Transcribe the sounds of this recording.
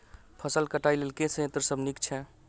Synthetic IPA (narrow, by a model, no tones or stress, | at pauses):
pʰəsəlkəʈajlelkẽset̪ɾəsəbnikt͡ʃʰɛ